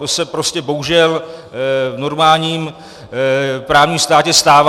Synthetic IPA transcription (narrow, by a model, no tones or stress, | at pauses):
sɛpɾo̞scɛbo̞ɦuʒɛl | no̞ɾmaːlɲiːm | pɾaːvɲiːmst̪aːcɛst̪aːva